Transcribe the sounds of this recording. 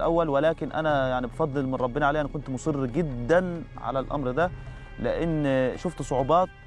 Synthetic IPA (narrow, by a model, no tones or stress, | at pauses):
lʔæwːælwɪlæːkɪnʔæ̰næjaʕnibefɑd̪ˤːɨlmɪnˤɑbːɪnɑʕaleːʔænækʊnt̪mʊsˤɨrːɡɪd̪ːænʕa̰lælʔɑ̰mɾd̪æ | lɪʔɪnːʃʊft̪sˤoʕobɑːt̪̚